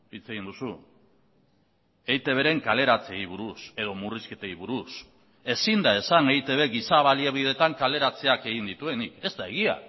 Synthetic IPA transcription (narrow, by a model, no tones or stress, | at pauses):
it͡se̞ɣind̪usu | ejt̪e̞β̞e̞ɾe̞ŋkale̞ɾat͡seijβ̞uɾuse̞ð̞o̞muriske̞t̪eiβuɾus | e̞sind̪ae̞sanejt̪e̞β̞e̞ɡisaβaliaβið̞e̞t̪aŋkale̞ɾat͡se̞ake̞ɣind̪it̪ue̞nike̞st̪ae̞ɣ̞ia̰